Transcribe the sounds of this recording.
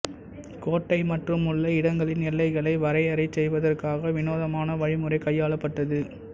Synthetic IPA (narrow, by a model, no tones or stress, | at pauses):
koːʈːɐɪmɐʈrɯmʊɭːɐɪɽɐŋɡɐɭɪnnɪlːɐɪɣɐɭɐɪʋɐɾɐɪɐɾɐɪt͡ʃɛjʋɐðɐrkaːɣɐʋɪnoːðɐmaːnɐʋɐɻɪmɯrɐɪkɐjːaːɭɐpːɐʈːɐðɯ